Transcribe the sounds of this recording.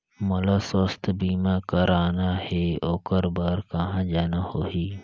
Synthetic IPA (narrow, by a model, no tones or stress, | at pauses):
mɐlaːsost̪biːmãːkəɾaːnaheoːkəɾbəɾkɐɦãːd͡ʒaːnahoːɦiː